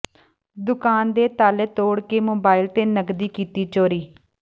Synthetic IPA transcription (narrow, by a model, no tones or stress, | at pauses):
d̪ʊkaːnd̪eːt̪aːleːt̪oːɽkeːmoːbaːɪlt̪eːnəɡd̪iːkiːt̪iːt͡ʃoːɾiː